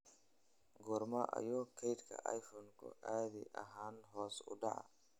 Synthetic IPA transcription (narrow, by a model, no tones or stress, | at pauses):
ɡʊrmɐʔɐ̰jɔːkʰɛjt̪kʰɐ̰ʔɐjfɔːŋkʰʊ̰ʔaːðiʔɐ̰ɦaːnɦɔːsʊɖɑʕɑ